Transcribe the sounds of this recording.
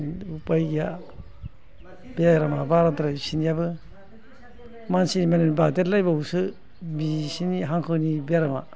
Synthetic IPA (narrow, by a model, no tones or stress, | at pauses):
upajɡja | beaɾamabaɾatɾajsinijabɯ | mansinimanenbatetlajbawsɯ | bisiniɦaŋkʰɯnibeaɾama